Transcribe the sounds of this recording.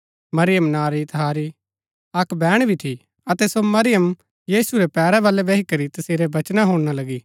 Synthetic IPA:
mɐɾɪjəmnaːɾit̪ɐɦaːɾi | ɐkbɛːɽ̃bʱiʈʰi | ɐt̪ɛsomɐɾɪjəm | jiːsuɾepɛːɾɛbalebeːɦikɐɾit̪ɐseːɾebɐt͡ʃnaɦoːɽñalɐɡiː

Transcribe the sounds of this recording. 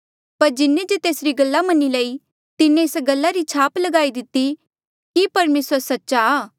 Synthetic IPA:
pɐɾd͡ʒɪnːẽd͡ʒet̪eːsɾiɡɐlːamɐnːilɐi | t̪ɪnːẽːsɡɐlːaɾit͡ʃʰaːplɐɡaːid̪ɪt̪ːi | kipɐɾmeːsəɾsɐtːʃaː

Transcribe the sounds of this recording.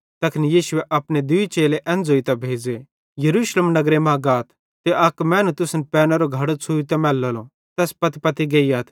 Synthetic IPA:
t̪ɐkʰnijiːʃʊeʔɐpned̪ʊit͡ʃeːleʔɛ̃ːnd͡zoːit̪ɐbʱeːd͡ze | jɐɾuːʃlemnɐɡɾemãːɡaːt̪ʰːeʔɐkmɛ̃ːnũt̪ʊsnpɛːnaɾoɡʱɐɽot͡sʰuːit̪̬ɐmɛːlːolõ | t̪ɛːspɐt̪ipɐt̪iɡɐiɐːt̪ʰ

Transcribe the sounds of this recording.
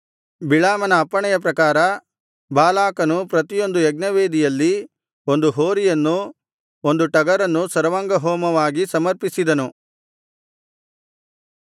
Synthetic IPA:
biɭaːmɐnɐːpːɐɳɛjɐp̬ɾɐkaːɾɐ | baːlaːkɐnupɾɐt̪ijo̞nd̪ujɛɡ̚nɐʋeːd̪ijɐlːi | o̞nd̪uɦoːɾijɐnːu | ond̪uʈɐɡɐɾɐnːusɐɾɐʋaŋɡɐɦɔːmɐʋaːɡisɐmɐɾpisid̪ɐnu

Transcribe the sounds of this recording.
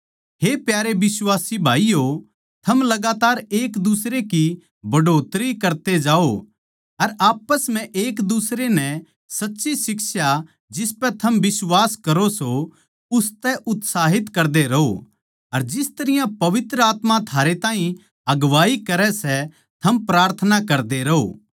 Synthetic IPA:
ɦepjaːɾebɪswaːsibʱaːijo | t̪ʰɐmlɐɡaːt̪aːɾeːkd̪ʊsɾeki | bɐɖoːt̪ɾikɐɾt̪ed͡ʒaːo | ɐɾaːpəsm̤ɛ̃ʔeːkd̪ʊsɾenɛ | sɐtːʃisɪksja | d͡ʒɪspɛ̃t̪ʰɐmbɪswaːskɐɾoso | ʊst̪ɛʔʊt̪saːɦɪt̪kɐɾd̪eɾɐɦo̰ | ɐɾd͡ʒɪst̪ɐɾɪjãpɐʋɪt̪ɾəaːt̪mat̪ʰaːɾet̪ãːɦĩ | ɐɡʋaːikɐɾɛsɛ | t̪ʰɐmpɾaːɾt̪ʰənakɐɾd̪eɾɐɦo̰ː

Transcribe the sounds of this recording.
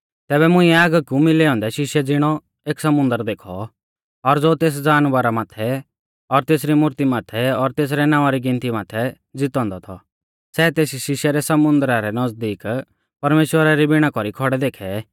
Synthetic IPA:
t̪ɛːbɛmʊ̃ĩɛaːɡkumɪleɔ̃ːnd̪ɛʃɪʃɛd͡zɪɽ̃ɔ | eːksɐmʊ̃nd̪əɾd̪eːkʰɔ | ɔɾd͡zoːt̪eːs̬d͡zaːnʋaɾamaːt̪ʰɛ | ɔɾt̪eːs̬ɾimʊɾt̪imaːt̪ʰɛɔɾt̪eːs̬ɾɛnãːʋaɾiɡɪ̃nt̪imaːt̪ʰɛ | d͡zɪt̪ɔ̃ːnd̪ɔt̪ʰɔ | sɛːt̪eːs̬iʃɪʃɛɾɛsɐmʊ̃nd̪əɾaɾɛnɐd͡zd̪iːk | pɐɾmeːʃwəɾaɾibɪɽ̃akɔɾikʰɔɽɛd̪eːkʰɛ

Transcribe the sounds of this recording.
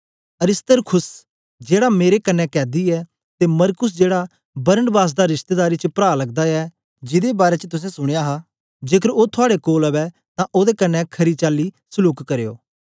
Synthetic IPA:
ɐɾɪst̪əɾkʰʊs | d͡ʒeːɽameːɾekɐnːɛkɛːd̪iɛ | t̪emɐɾkʊs̬d͡ʒeːɽa | bɐɾəɳɖbaːs̬d̪aɾɪʃt̪eːd̪aːɾit͡ʃəpɾaːlɐɡ̚d̪aɛ | d͡ʒɪd̪ebaːɾet͡ʃət̪ʊs̬ɛ̃sʊɽ̃ejaɦa | d͡ʒeːkʰəɾoːt̪ʰʊaːɽekoːlɐβɛ | t̪ãʔoːd̪ekɐnːɛkʰɐɾit͡ʃaːlːisʊluːkːɐɾejo̰ː

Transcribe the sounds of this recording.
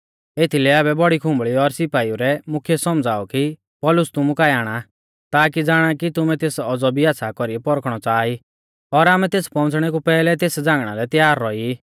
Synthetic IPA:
et̪ʰilɛaːbɛbɔɽikʰʊ̃mbɭiɔɾsɪpaːiuɾɛmʊkʰijɛsɔmd͡zaːɔki | pɔːlʊst̪ʊmukajaːɽ̃a | t̪aːkid͡zaːɽ̃akit̪ʊmɛt̪eːsɔd͡zɔbʱiaːsʰakɔɾiɛpɔɾkʰɽ̃ɔt͡saːi | ɔɾaːmɛt̪eːspɔ̃ʊ̃t͡sɽ̃ɛkupɛːlɛt̪eːsd͡zãːŋɡɽ̃alɛt̪jaːɾːɔi

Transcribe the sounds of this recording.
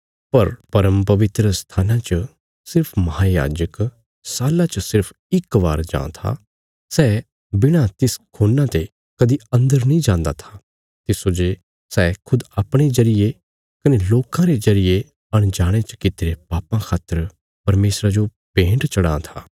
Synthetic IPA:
pɐɾpɐɾəmpɐʋɪt̪ɾəst̪ʰaːnãt͡ʃə | sɪɾpʰmɐɦaja̰ːd͡ʒək | saːlãt͡ʃəsɪɾpʰ | ɪkʋa̰ːɾd͡ʒã̰ːt̪ʰa̰ | sɛː | bɪɽ̃at̪ɪskʰoːnːãt̪e | kɐd̪iɐ̃nd̪əɾnĩːd͡ʒãːnd̪at̪ʰḁ | t̪ɪsod͡ʒe | sɛːkʰʊd̪aːpɽ̃ezɐɾɪje | kɐneloːkãɾezɐɾɪje | ɐɽ̃d͡ʒaːɽ̃et͡ʃə̥kɪt̪eɾepaːpãkʰaːt̪əɾ | pɐɾmeːsɾad͡ʒo | pẽːɳʈt͡ʃɐɽãːt̪ʰa̰ː

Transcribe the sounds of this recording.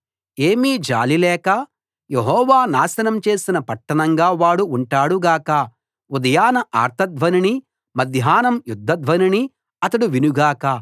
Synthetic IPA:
eːmiːd͡ʒa̰ːlilɛːkɐ | jeɦɔːʋaːnaːsɐnɐmt͡ʃe̞ːsinɐpɐʈːɐɳɐŋɡaːʋaːɽuːɳʈaːɽuɡaːkɐ | ud̪ɐjaːnɐʔa̰ːɾt̪ʰɐd̪ʋɐnini | mɐd̪ʱjaːnɐmjud̪ʱːɐd̪ʋɐnini | ɐt̪ɐɽuʋinuɡaːkɐ

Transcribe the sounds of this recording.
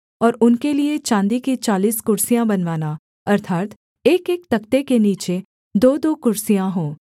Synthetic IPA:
ɔːɾʊnkeliet͡ʃãːnd̪ikit͡ʃaːliːskʊɾsijãbɐnʋaːna | ɐɾt̪ʰaːt̪ | eːkeːk̚t̪ɐkt̪ekeniːt͡ʃe | d̪oːd̪oːkʊɾsijãɦõː

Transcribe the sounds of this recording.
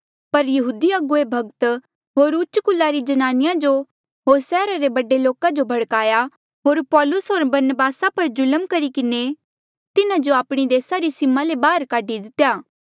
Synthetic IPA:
pɐɾjɐɦuːd̪iɐɡoebʱɐɡt̪ | ɦoːɾʊt͡ʃkʊlːaɾid͡ʒɐnaːnɪjãd͡ʒo | ɦoːsɛːɾaɾebɐɖeloːkad͡ʒobʱɐɽkaːja | ɦoːɾpɔːlʊsɦoːɾbɐɾnəbaːsapɐɾd͡ʒʊləmkɐɾikɪne | t̪ɪnad͡ʒoaːpɽ̃id̪eːsaɾisɪmalebaːəɾkaːɖid̪ɪt̪ejaː

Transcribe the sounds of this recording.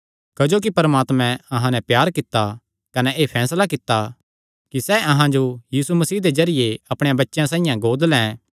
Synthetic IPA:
kɐd͡ʒoːk̬ipɐɾəmaːt̪mɛ̃ɐɦãnɛ̃pjaːɾkɪt̪ːa | kɐnɛʔeːpʰɛːslakɪt̪ːa | kisɛːʔɐɦãd͡ʒojiːsumɐsiːd̪ed͡ʒɐɾɪjeɐpɽ̃ejãbɐtːʃjãsãːɪ̃jãɡoːd̪lɛ̃ː

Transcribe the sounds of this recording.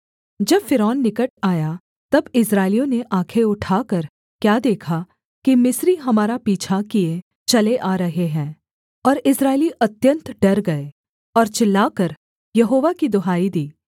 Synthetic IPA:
d͡ʒɐbfɪɾɔːnːɪkəʈ̚aːja | t̪ɐbɪsɾaːɪlijõneʔãːkʰeʊʈʰaːkɐɾ | kjaːd̪eːkʰa | kimɪsɾiɦɐmaːɾapiːt͡ʃʰakie | t͡ʃɐleʔaːɾɐɦeɦɛ̃ː | ɔːɾɪsɾaːɪliʔɐt̪jə̃nt̪ɖɐɾɡɐe | ɔːɾt͡ʃɪlːaːkɐɾ | jɐɦoːʋakid̪ʊɦaːid̪iː

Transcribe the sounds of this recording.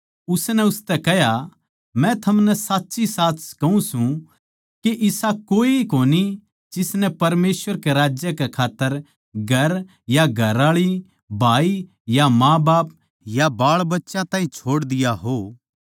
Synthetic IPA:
ʊsnɛ̃ʊst̪ɛkɛɦja | mɛ̃t̪ʰɐmnɛsaːtːʃisaːt̪ʰskɐũsũ | keʔɪsakoːiikoːni | d͡ʒɪsnɛpɐɾmeːsʋəɾkeɾaːd͡ʒjəkɛkʰaːt̪ːəɾ | ɡʱɐɾ | jaɡʱɐɾaːɭi | bʱaːi | jamãːbaːp̚ | jabaːɭbɐtːʃãt̪ãːĩt͡ʃʰoːɽd̪ɪjaɦoː

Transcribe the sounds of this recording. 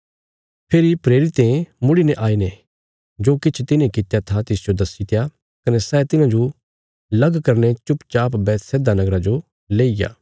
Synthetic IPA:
pʰeːɾipɾeːɾɪt̪ẽmʊɽinɛʔaːinɛ | d͡ʒoːkɪt͡ʃʰt̪ɪnẽkɪt̪jat̪ʰat̪ɪsd͡ʒod̪ɐsːit̪ʰeja | kɐnɛsɛːt̪ɪnãd͡ʒo | lɐɡkɐɾnet͡ʃʊpt͡ʃaːpbɛːt̪sɛːd̪anɐɡɾad͡ʒo | leːija̰ː

